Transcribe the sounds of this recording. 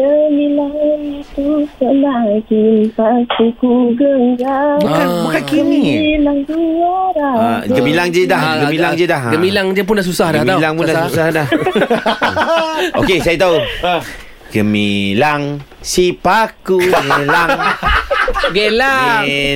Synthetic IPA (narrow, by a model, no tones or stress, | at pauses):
əmilaŋnit̪usənaɡinpakukuɡəŋɡaukabukankiənmilaŋɡuwaɾaɡəmilaŋd͡ʒədaɡəmilaŋd͡ʒədaɦɡəmĩlaŋd͡ʒəp̬ʊndaʔs̬usahdahmalaŋpunndassusahdah | okesajat̪au | ɡəmilaŋ | sipakuɡela | ɡela